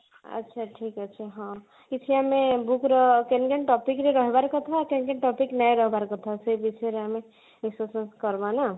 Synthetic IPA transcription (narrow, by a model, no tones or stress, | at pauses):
ə̰tːʃʰaʈʰikəːt͡ʃʰaɦã | it͡ʃʰijamebukɾɔkenkeɳʈɔpikɾeɾɔɦebaɾkɔt̪ʰakenkeɳʈɔpiknajɾʌɦebaɾkɔt̪ʰɔseibit͡ʃʰeɾeame | isosənskɔɾbana